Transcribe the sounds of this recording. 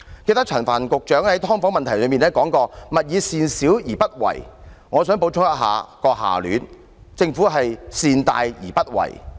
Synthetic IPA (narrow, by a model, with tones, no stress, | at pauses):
ke˧jt̪ɐ˥k̚t͡sʰɐ˨˩nfaː˨˩nkʊ˨k̚t͡ʃœː˨˥ŋhɐ˨˥jt̪ʰɔː˥ŋfɔː˨˥ŋmɐ˨nt̪ʰɐ˨˩jlɵ˨˧ɥmiː˨nɛ˥kɔː˨˥ŋkɔː˧mɐ˨t̚jiː˨˧siː˨˧nsiː˨˥wjiː˨˩pɐ˥t̚wɐ̰˨˩jŋɔː˨˧sœː˨˥ŋpo˨˧˥wt͡ʃʰʊ˥t̪ɐ˥t̚ɦa̰ː˨˧kɔː˧ɦa̰ː˨˩ly̰ː˨˧n | t͡sɪ˧ŋfuː˨˥ɦɐ˨jsiː˧nt̪a̰ː˧jjḭː˨˩pɐ˥t̚wɐ̰˨˩j